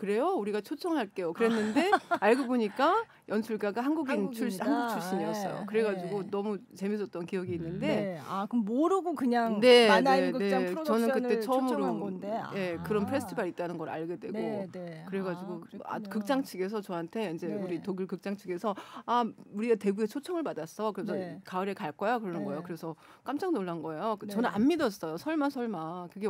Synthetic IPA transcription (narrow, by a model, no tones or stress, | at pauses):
kɯɾe̞jouɾiɡat͡ɕʰot͡ɕʰʌŋaɭk͈e̞jokɯɾe̞nːɯnde̞aɭɡoboɲik͈a | jʌnt͡ɕʰuɭk͈aɡaɦanɡuɡint͡ɕʰuɭɕhanɡuk̚t͡ɕʰuɭɕ͈iniʌs͈ʌjo̰kɯɾe̞ɡad͡ʑiɡonʌmut͡ɕe̞misʰʌt͈ʌnkijʌɡiːnːɯnde̞akmoɾɯɡokɯɲaŋne̞ene̞t͡ɕʌnɯnkɯtt͈e̞t͡ɕʰʌmɯɾoje̞kɯɾʌnpʰɾe̞s͈ʰɯtʰibaɾit͈̚anɯnɡʌɾa̰ɭɡe̞dwe̞ɡokɯɾe̞ɡad͡ʑiɡoa̰kɯk̚t͡ɕ͈aŋt͡ɕʰiɡe̞s̬ʰʌt͡ɕʌɦantʰe̞ind͡ʑe̞uɾitoɡɯɭkɯk̚t͡ɕ͈aŋt͡ɕʰiɡe̞sʰʌauɾiɡate̞ɡue̞t͡ɕʰot͡ɕʰʌŋɯɭpadas͈ʌkɯɾesʰʌkaɾe̞kaɭk͈ʌjokɯɾʌnɯnɡʌejokɯɾe̞sʰʌ | k͈amt͡ɕ͈aŋnoɭːanɡʌe̞jokɯt͡ɕʌnɯna̰nmidʌs͈ʌjosʰʌɭmasʰʌɭmakɯɡe